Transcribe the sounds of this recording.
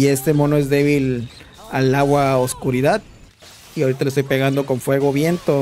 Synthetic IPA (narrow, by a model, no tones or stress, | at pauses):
ie̞st̪e̞mo̞noe̞zd̪e̞β̞il | alaɣwaoskuɾiðað | iaoɾit̪alest̪ojpe̞ɣand̪o̞ko̞ɱfwe̞ɣo̞βje̞nt̪o